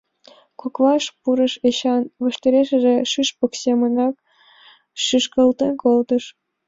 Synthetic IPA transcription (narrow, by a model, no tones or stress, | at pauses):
kukʋɑʃpuɾɤ̆ʃeɕɑnʋɤ̆ʃt̪ʲeɾʲeʃɘ̆ʒĕʃyʃpɤ̆ksʲemə̆nɑk̚ | ʃyʃkɤ̆lt̪enkolt̪ɤ̆ʃ